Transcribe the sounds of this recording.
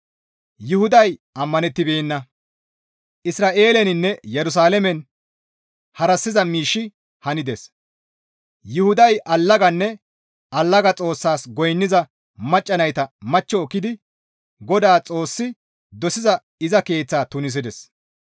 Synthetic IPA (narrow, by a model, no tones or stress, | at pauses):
jʊhʊd̪ɐjɐmːɐnɛt̪ːɪbeːnːɐ | ʔɪsɾaːʔe̞ːlɛnɪnːɛjɛɾʊs̬aːlɛmɛn | hɐɾɐsːɪzɐmiːʃːɪ | hɐnɪd̪es | jʊhʊd̪ɐjʔɐlːɐɡɐnːɛ | ʔɐlːɐɡɐt͡sʼo̞ːsːaːsɡɔjnːɪzɐ | mɐt͡ʃʼːɐnɐjt̪ɐmɐt͡ʃːɔːkːɪd̪ɪ | ɡɔd̪aːt͡sʼo̞ːsːɪ | d̪ɔsɪzɐ | ɪzɐke̞ːt͡sːaːt̪ʊnɪs̬ɪd̪ɛs